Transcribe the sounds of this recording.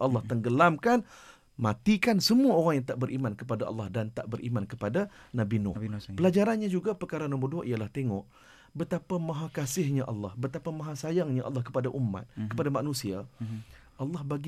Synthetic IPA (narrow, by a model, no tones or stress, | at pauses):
ʔɑlːɑht̪əŋɡəlamkan | mat̪ikansəmuaoɾaŋjaŋt̪aʔbəɾʔimankəpadaʔɑ̰lˠːɑhdant̪a̰ʔbəɾʔḭmankəpadanabinʊ̰pəlad͡ʒaɾanɲad͡ʒuɡapərkaɾanɔmbərduaʔijalaht̪eŋɔʔ | bət̪apamãɦakasɪhɲaʔɑ̰lːɑhbət̪apamãɦasajaŋɲaʔɑ̰lːɑhkəpadaʔumːa̰t̪̚kəpadamanũsia | ʔɑlːɑhbaɡi